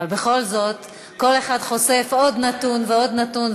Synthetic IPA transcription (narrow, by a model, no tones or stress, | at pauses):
albe̞χo̞lzo̞t | ko̞le̞χadχo̞se̞fo̞d̪natunveo̞d̪natun